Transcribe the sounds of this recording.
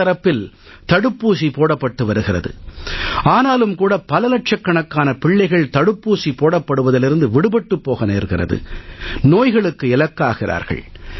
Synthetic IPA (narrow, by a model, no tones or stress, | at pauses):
ɐɾɐpːɪl | t̪ɐɽɯpːuːsipoːɽɐpːɐʈːɯʋɐɾɯɣɪrɐ̰ðɯ̰ | aːnaːlɯmkuːɽɐpɐlɐlɐʈ̚t͡ʃɐkːɐɳɐkːaːnɐpɪɭːɐɪɣɐɭt̪ɐɽɯpːuːsipoːɽɐpːɐɽɯʋɐðɪlɪɾɯnd̪ɯʋɪɽɯbɛʈːɯpːoːɣɐneːɾɣɪrɐ̰ðɯ̰noːjɣɐɭɯkːɯɪlɐkːaːɣɪrʔa̰ːɾɣɐ̰ɭ